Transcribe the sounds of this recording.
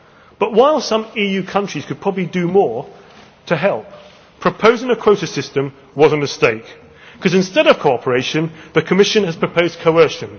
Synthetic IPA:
b̥ʌʔwaɪlˠsʌ̃mijʉkʰʌ̃nt͡ʃɹ̥iz̥kʰəd̚pʰɹ̥ɒbəblidɨmɔɹ | tʰəɦɛlˠp | pʰɹ̥əpʰəʊzɪ̃ŋəkʰw̥oʊɾɨsɪstə̃m | wʌz̃n̩təsteɪk | kʰɒzɨ̃nstɛɾʌv̥kʰoʊɒpʰəɹeɪʃɨ̃nðɨkʰəmɪʃə̃nɨz̥pʰɹ̥əpʰəʊzkʰəʊɜˑʃɨ̃n

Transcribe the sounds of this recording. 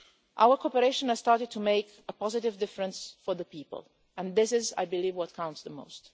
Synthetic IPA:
ʔa̰wəkʰopəɾeɪʃə̃nəzstɑɹtɪd̚tʰumeɪk | əpɔzɪtɪvdɪfɹə̃nsfɔɹðəpiːpə̰lˠ | ɛ̃nðɪsɪza̰jbɪliːvwɔt̚kʰãw̃ntsðəmo̰ʊst

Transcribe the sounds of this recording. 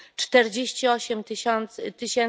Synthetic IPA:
t͡ʂt̪ɛɾd͡ʑeɕt͡ɕiɔɕɛmt̪ɘɕɔnt̪st̪ɘɕɛn

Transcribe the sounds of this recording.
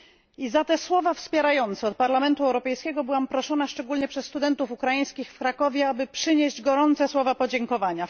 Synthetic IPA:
izat̪ɛswɔvafspʲjɛɾajɔnt̪sɛɔt̪̚paɾlamɛnt̪uɛwɾɔpɛjskʲɛɡɔbɘwampɾɔʂɔnaʂt͡ʂɛɡulɲɛpʂɛsːt̪ud̪ɛnt̪ufukɾajij̃skʲixfkɾakɔvʲjɛabɘpʂɘɲeʑd͡ʑɡɔɾɔnt̪sɛswɔvapɔd͡ʑɛŋkɔvaɲa

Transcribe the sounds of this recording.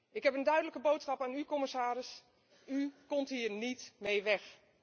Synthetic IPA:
ɪkɦɛpəndœɥdələkəbowtsχɑpaːnykɔmɪsaːɾɪs | ykɔmtɦiːɹnitmejʋɛx

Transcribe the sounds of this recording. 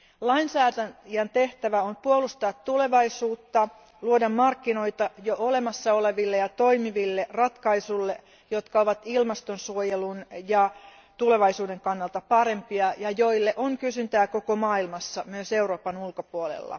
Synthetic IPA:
lɑinsæːt̪æjænt̪eht̪æʋæompuolust̪ɑːt̪t̪ule̞ʋɑisuːt̪ːɑ | luodɑmmɑrkːino̞it̪ɑjoʔole̞mɑsːɑoleʋilːejɑt̪o̞imiʋilːerɑt̪kɑisulːe | jot̪kɑoʋɑt̪ilmɑst̪onsuojelunjɑ | t̪ule̞ʋɑisuːdeŋkɑnːɑlt̪ɑpɑɾe̞mpiɑjɑjo̞ilːeʔoŋkysynt̪æːko̞komɑːilmɑsːɑmyøseuroːpɑnulkopuolḛlːɑ̰

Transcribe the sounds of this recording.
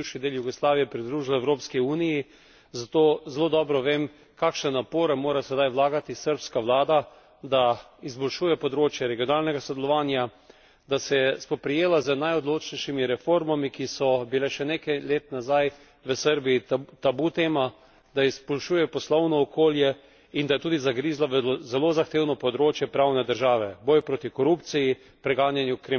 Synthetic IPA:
wʃid̪eːljuɡɔslaːʋijɛpɾid̪ɾuːʒilɛwɾoːpskiuːniji | zat̪oːzeloːd̪ɔːbɾɔʋem | kaːkʃnɛnapoːɾɛmoːɾasɛd̪ajʋlaːɡat̪isəɾpskaʋlaːd̪a | d̪aizbɔlʃuːjɛpɔd̪ɾoːt͡ʃjɛɾɛɡijonaːlnɛɡasɔd̪ɛlɔʋaːnja | d̪asɛspɔpɾɛjeːlazənajɔd̪loːt͡ʃnɛjʃimiɾɛfoːɾmamikisɔbilɛʃɛnekajleːt̪nazaj | ʋəsəɾbiit̪abut̪eːma | d̪aizbɔlʃuːjɛpɔslɔwnɔːkoːljɛ | ind̪ajɛt̪uːd̪izaɡɾiːzlaʋəzɛloːzaxt̪eːwnɔpɔd̪ɾoːt͡ʃjɛpɾawnɛd̪əɾʒaːʋɛbɔːjpɾoːt̪ikɔɾupt̪siji | pɾɛɡaːnjanjukɾem

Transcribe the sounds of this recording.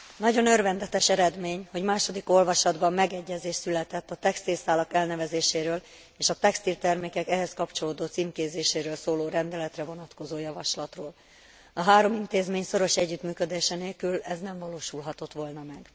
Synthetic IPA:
nɒɟo̞nørvɛnd̪ɛt̪ɛʃɛɾɛd̪meːɲho̞ɟmaːʃo̞d̪iko̞lvɒʃɒd̪bɒmːɛɡɛɟːɛzeːʃt̪sylɛt̪ɛt̪ːɒt̪ɛkst̪ilsaːlɒkɛlnɛvɛzeːʃeːɾøːl | eːʃɒt̪ɛkst̪ilt̪ɛrmeːkɛkɛɦɛskɒpt͡ʃo̞loːd̪ot̪simkeːzeːʃeːɾøːlsoːloːɾɛnd̪ɛlɛt̪rɛvo̞nɒt̪ko̞zoːjɒvɒʃlɒt̪roːl | ɒɦaːɾo̞mint̪eːzmeːɲso̞ɾo̞ʃɛɟːyt̪myːkød̪eːʃɛneːlkylɛznɛɱvɒloːʃulɦɒt̪o̞t̪ʋo̞lnɒmɛɡ

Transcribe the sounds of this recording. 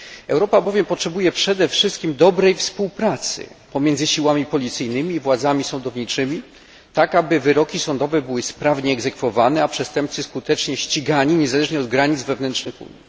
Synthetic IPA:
ɛwɾɔpabɔvʲjɛmpɔtʂɛbujɛpʂɛd̪ɛfʂɘst̪kʲimd̪ɔbɾɛjfspuwpɾat̪sɘ̰pɔmʲjɛnzɘɕiwamʲipɔlʲit̪sɘjnɘmʲiːvwad̪zamʲisɔnd̪ɔvɲit͡ʂɘmʲi | t̪akabɘvɘɾɔkʲisɔnd̪ɔvɛbɘwɘspɾavɲɛːɡzɛkfɔvanɛapʂɛst̪ɛmpt̪sɘskut̪ɛt͡ʂɲɛɕt͡ɕiɡaɲiɲɛzalɛʐɲɛɔd̪̚ɡɾaɲid̪zvɛvnɛntt͡ʂʂnɘxṵɲi

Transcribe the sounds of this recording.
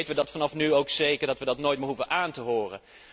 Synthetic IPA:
jtəʋədɑtfɑnɑfnyowksejkəɹdɑtʋədɑtnoːjtmɪɹɦuvənʔaːntəɦʊːrə̰n

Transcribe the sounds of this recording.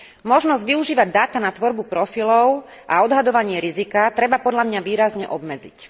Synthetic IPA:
mɔʒnɔzɟʋiuʒiːʋaɟ̚d̪aːt̪anat̪ʋɔɾbupɾɔfilɔʊ | ʔa̰ɔd̪ɦad̪ɔʋaɲɪɛɾizikat̪ɾɛbapɔd̪ʎamɲaʋiːɾazɲɛʔɔbmɛd͡zḭc

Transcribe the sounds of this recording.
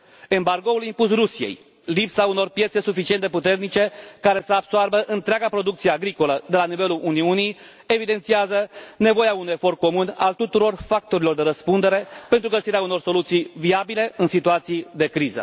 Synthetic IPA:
e̞mbarɡo̞ulimpusrusijḛj | lipsauno̞rpjese̞sufit͡ʃie̞nd̪e̞put̪e̞rnit͡ʃe̞kaɾe̞səab̥soarbəʔɨnt̪ɾeaɡapɾo̞d̪uk̚t̪sijeaɡɾiko̞ləd̪e̞lanive̞lulʔuniunij | e̞vid̪e̞nt̪siazəne̞vo̞jaunujefo̞rt̪̚ko̞munalt̪ut̪uɾo̞rfak̚t̪o̞ɾilo̞rd̪e̞ɾəspund̪e̞ɾe̞pe̞nt̪ɾuɡəsiɾeauno̞rso̞lut̪sijviabile̞ɨnsit̪uat̪sid̪e̞kɾizə̰

